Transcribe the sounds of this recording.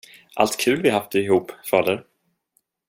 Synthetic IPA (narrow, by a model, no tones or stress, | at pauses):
ʔa̰lt̪kʰʉ̟ːlvɪɦafd̪əɪɦuːpːfɑːd̪əɾ